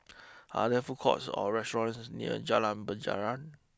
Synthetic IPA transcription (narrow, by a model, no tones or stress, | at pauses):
ʔa̰dɛfukʰɔ̰tsɔ̰ɹɛstɔãnsnḭə̰d͡ʒalãnbəd͡ʒa̰ɹãn